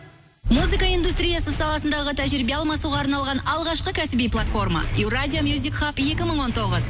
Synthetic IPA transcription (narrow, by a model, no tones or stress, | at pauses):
muzɨkaijnd̪ust̪ɾʲijasəsɑlˠɑsənd̪ɑʁət̪ʰæʒɪɾɪbe̞ɑlˠmɑsuʁɑːɾnɑlˠʁɑnɑlˠʁɑʃqəkʲʰæsɪbijplˠat̪fo̞rmɑ̰ewrazʲijamjuzʲikχapje̞kʲɪməɴwo̞nt̪ʰo̞ʁəz